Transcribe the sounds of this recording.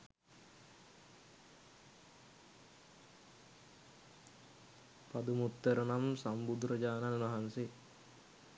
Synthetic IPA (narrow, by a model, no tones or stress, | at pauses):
pad̪umut̪ːəɾɐnamsambud̪ɾəd͡ʒaːnannɐɦanse